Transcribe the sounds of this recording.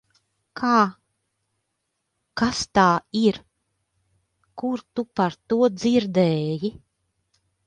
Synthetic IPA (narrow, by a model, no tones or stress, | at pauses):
kʰaː | kast̪aːiɾ | kuɾt̪upaɾt̪uɔd̪ziɾd̪ɛːji